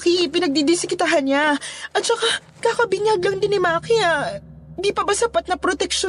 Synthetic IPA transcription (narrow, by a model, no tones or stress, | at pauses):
kipɪnɐɡ̚d̪id̪ɪsɪkɪt̪aɦɐnɲaʔɐt̪̚t͡ʃɐka | kakɐbɪɲaɡ̚lɐŋd̪ɪnɪmaːkiand̪ipɐbɐsɐpat̪̚nɐpɾot̪ɛk̚ʃo